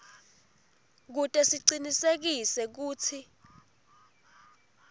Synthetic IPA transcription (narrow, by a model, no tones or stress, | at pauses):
k̬utʼɛsiǀinisek̬isɛk̬uːt͡sʰi